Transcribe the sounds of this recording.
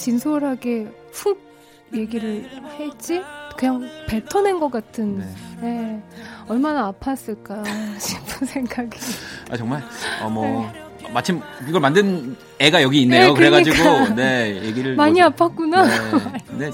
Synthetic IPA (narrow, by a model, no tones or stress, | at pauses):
t͡ɕinsʰoɾɦaɡe̞ | ɸuɡ̚ | je̞ɡiɾɯɭhe̞t͡ɕ͈ikɯɲaŋpe̞tʰʌne̞nɡʌk͈atʰɯnje̞ | ʌɭmanaːpʰas͈ɯɭk͈aɕʰimpʰunsʰe̞ŋɡaɡia̰t͡ɕʌŋmaɭʌmʌmat͡ɕʰimkiɡʌɭmandɯn | e̞ɡajʌɡiːnːeejokɯɾeɡad͡ʑikɡaone̞jeɡiɾɯɭmaɲiapʰak̚k͈una | ne̞